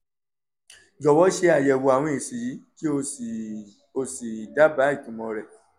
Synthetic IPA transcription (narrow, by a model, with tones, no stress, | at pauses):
d͡ʒɔ˨wɔ˦ʃe˧˦a˦˨jɛ˧wo˧a˨wɔ̃˧˨i˨si˨ji˨˦ki˦o˧ | o˧si˨da˦ba˨˦i˦˨kũ˨˦mɔ̃˧ɾɛ˨